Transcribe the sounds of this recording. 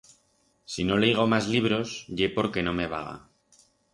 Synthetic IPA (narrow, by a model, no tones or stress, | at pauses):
sino̞leiɣ̞o̞mazliβ̞ɾo̞sʝe̞po̞ɾke̞no̞me̞βaɣa̰